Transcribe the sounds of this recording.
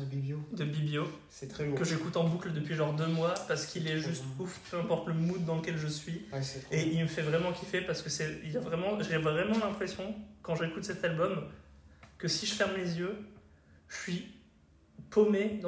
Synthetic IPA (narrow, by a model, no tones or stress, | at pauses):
əbibjod̪əbibjo | sɛt̪χɛkəʒekut̪ɑ̃bukləd̪əpɥiʒɑʁd̪ømwapaʁsə̥kʰilɛʒyst̪ufpʰøɛ̃pɔʁt̪ləmud̪ːɑ̃ləkʲɛlʒəsɥieilməfɛvʁɛmɑ̃kʲʰifɛpaʁsə̥kəsɛilavʁɛmɑ̃ʒevʁʁɛmɑ̃lɛ̃pχesjɔ̃kɑ̃ʒekut̪sɛt̪albɔm | kəsiʒəfɛʁmːezjø | ʒʃəʃɥi | pomed̪̃